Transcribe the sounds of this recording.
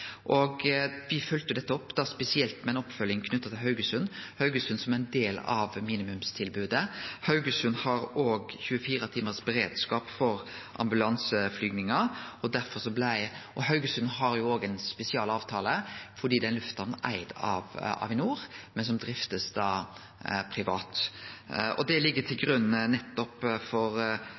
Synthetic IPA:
ʔoɔːɡʋɪfœlt̪əjʊd̪ɛt̪ːəɔpːd̪̥ɑspɛsɪɛlt̪mɛɛnɔpːfœljɪŋkʰnʉt̪ːɑt̪ʰɪlɦɑʉɡəsʉnːhɑʉɡəsʉnsɔmæɪnd̪eːlɑ̰ʋmiːnɪmʉmst̪ʰɪlbʉːd̪əhɑʉɡəsʉnhɑɾoːɡçʉːəfiːɾɑt̪ʰiːməsbəɾeːd̪skɑːpfɔɾ | ʔɑ̰mbʉlɑnsəflyːɡnɪŋɑɔd̪æɾfɔɾsɔblɪʔɔhɑʉɡəsʉnɦɑɾjʊoːɡɛnspɛsɪɑːlɑːʋt̪ʰɑːləfɔɖ̪iːd̪ɛnlʉft̪ɑnnʔæ̰ɪd̪ɑ̰ʋɑ̰ʋɪnuːɾmɛnsɔmd̪ɾɪft̪əsd̪ɑː | pʰɾɪʋɑːt̪ | ɔ̰d̪ɛlɪɡːət̪ʰɪlɡɾʉnːnɛt̪ːɔpfɔɾ

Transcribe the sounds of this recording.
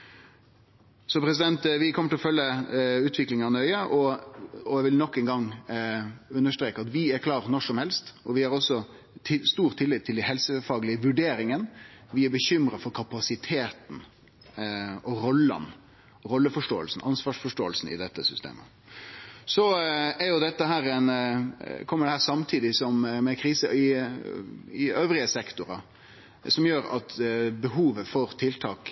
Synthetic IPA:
sɔpʰɾɛs̬ɪd̪ɛnt̪ʋɪkʰɔməʈʰɪlɔfœlːəʉːt̪ʰʋɪklɪŋɑnœʏəʔɔɔɛʋɪlnɔkːɛnɡɑŋ | ʉnːəʂt̪ɾeːkəɑt̪ʋɪæɾkʰlɑːɾnɔʂɔmhɛlst̪ɔʋɪhɑɾɔsːɔ | ɪst̪uːɾt̪ʰːɪlːɪt̪ʰːɪld̪ɛhɛlsəfɑːɡlɪəʋʉɖeːɾɪŋənʋɪæɾbəçʏmɾɑfɔɾkʰɑpɑsɪt̪ʰeːt̪n̩ | ɔɾɔlːɑ̰n | ɾɔlːəfɔʂʈoːə̰lsn̩ʔɑnsʋɑːʂfɔʂʈoːəlsn̩ɪ̰d̪ɛt̪ːəsʏst̪ḛːmə̰ | sɔæɾjʊd̪ɛt̪ːəɦæːɾɛɪn | kʰɔmːəɖ̪ɛhæːɾsɑmt̪ʰiːd̪ɪsɔmmɛkʰɾiːsə̰ɪ | ɪøːʋɾɪəsɛkt̪ʊɾɑ | sɔmjøːɾɑ̰t̪bəɦuːʋəfɔɾt̪ʰɪlt̪ʰɑːk

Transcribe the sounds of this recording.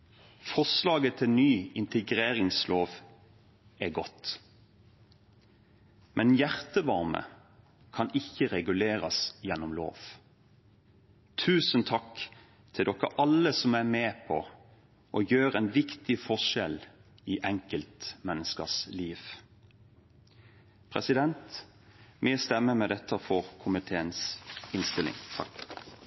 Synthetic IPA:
fɔslɑːɡət̪ʰɪnyːɪnt̪ʰəɡʁeːɾɪŋsloːʋ | æɡɔt̪ | mʔɛnjæʁt̪əʋɑɾmə̰ | kʰɑnɪçːəʁɛɡʉleːɾɑsjɛnːɔmlo̰ːʋ | t̪ʰʉːsənt̪ʰɑk | t̪ʰɪld̪ɔkːəʔɑləsɔmæmeːpʰɔ | ʔɔjøːʁɛnʋɪkt̪ɪfɔʂɛl | ɪʔɛŋkəlt̪mɛnːəskə̰sliːʋ | pʰʁɛ̰sɪd̪ɛnt̪ | mɛst̪ɛmːəmɛd̪ɛt̪ːəfɔʁkʰʊmɪt̪ʰeːənsɪnst̪ɪlɪ̰ŋt̪ʰɑ̰k

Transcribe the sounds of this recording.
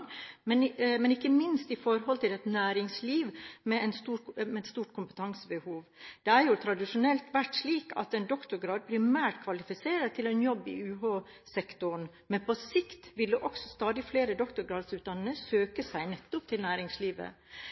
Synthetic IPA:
ɡmɛnmɛnɪkːəmɪnst̪ɪfɔɾɦɔlt̪ʰɪlɛt̪næːɾɪŋsliːʋmɛɛnsumɛɛt̪st̪uːʈkʰʊmpə̥t̪ʰɑŋsəbəhuːʋd̪̥ɛæɾjʊt̪ʰɾɑd̪ɪʂʊnɛlt̪ʋæʈʂliːkɑ̰t̪ɛnd̪ɔkt̪ʊɾɡɾɑːd̪̚pʰɾɪmæːʈkʰʋɑlɪfɪseːɾət̪ʰɪlɛnjɔbːɪ̰ʉːɦɑː | sɛkt̪ʊɳ | mɛnpʰɔsɪkt̪ʋɪlːəʔɔksɔst̪ɑːd̪ɪfleːɾəd̪ɔkt̪ʊɾɡɾɑːd̪sʉːt̪̚d̪ɑnːnəsøːkəsæɪnɛt̪ːʊp̚t̪ʰɪlnæːɾɪŋsliːʋə̰

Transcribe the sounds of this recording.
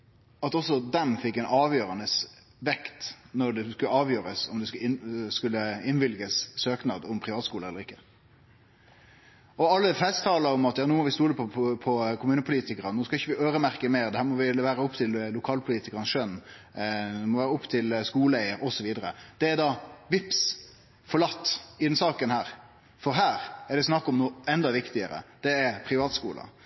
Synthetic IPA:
ɑt̪ɔsːɔd̪ɛmfɪkːɛɪnɑːʋjøːɾɑnəs | ʋɛkt̪nɔɖ̪ɛskʉləɑːʋjøːɾəsɔmd̪ɛsskʉlːəɪnʋɪlɡəssøːknɑ̰ːd̪ʊmpʰɾɪʋɑːt̪skuːləɛlːəɾɪkːə̥ | ɔɑlːəfɛst̪ʰɑːləɾɔmɑt̪jɑːnoːmɔʋɪst̪uːləpʰɔpʰɔkʰʊmʉːnəpʰʊliːt̪ɪkəɾɑnoːskɑɪçːəʋɪʔøːɾəmæɾkəmeːɾd̪ɛhæːɾmɔʋɪʋæːɾəʊpːt̪ʰɪllʊkʰɑːlpʰʊliːt̪ɪkəɾɑn̩sʃœnː | ɛmɔʋæːɾəɔʊpːt̪ʰɪlskuːləæɪəɾɔsɔʋiːd̪əɾə̰d̪̥ɛːɾd̪ɑʋɪps | fɔɾɭɑt̪ːɪd̪ɛnsɑːkənhæːɾ | fɔɾɦæːɾɛɖ̪ɛsnɑkːɔmnuːɛnd̪ɑʋɪkt̪ɪəɾə̰d̪̥ɛːpʰɾɪʋɑːt̪skṵːlʔɑ̰

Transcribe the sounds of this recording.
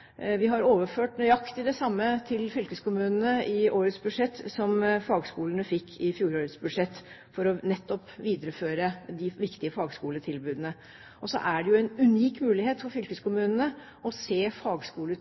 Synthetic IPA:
ʋɪɦɑɾoːʋəføːʈnœʏɑkt̪ɪd̪ɛsɑmːət̪ʰɪlfʏlkəskʊmʉːnənəɪʔoːɾət̪sbʉd̪ʂɛt̪ːsɔmfɑːɡskuːlənəfɪkʰːɪfjuːɾoːɾət̪sbʉʂɛt̪ː | fɔɾɔnɛt̪ːɔpʋiːd̪əɾəføːɾəd̪ɪʋɪkt̪ɪəfɑːɡskuːlət̪ʰɪlbʉːd̪ənə | ʔɔsɔ̰ʔæɖɛjʊɛnʉniːkmʉːlɪheːt̪fɔɾfʏlkəskʊmʉːnənə | ɔseːfɑːɡskuːlə

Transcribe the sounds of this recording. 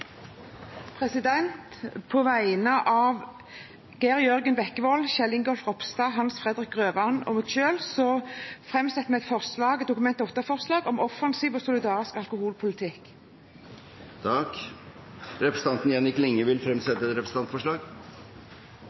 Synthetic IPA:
pʰʁɛsɪd̪ɛnt̪pʰoːʋæɪnəʔɑːʋ | ɡ̥æʁjœʁɡənbɛkːəʋɔlʃɛlɪŋɡɔlfʁɔpst̪ɑːɦɑnsfʁɛd̪ʁɪkʁøːʋɑnɔ̰mʊt̪ʃøːlsɔfʁɛmsɛt̪ːmɛɛt̪fɔʁslɑːɡɛt̪d̪ʊkʊmɛnt̪ɔt̪ːəfɔʁslɑːɡɔmɔfɑnsiːʋɔːsʊlɪd̪ɑːʁɪskɑlkʊhuːlpʰʊlɪt̪ʰɪk | t̪ʰɑk | ɾɛpɾəsn̩ɑnt̪njɛnɪklɪŋːəʋɪlfɾɛmsɛt̪ːəɛt̪ɾɛpɾəsn̩ɑnt̪fɔʂɭɑːɡ

